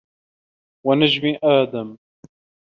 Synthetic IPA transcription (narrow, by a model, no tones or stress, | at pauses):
wanad͡ʒmiʔaːd̪am